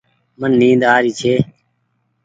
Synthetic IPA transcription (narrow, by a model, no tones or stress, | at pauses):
mənːĩːd̪aːɾiːt͡ʃʰeː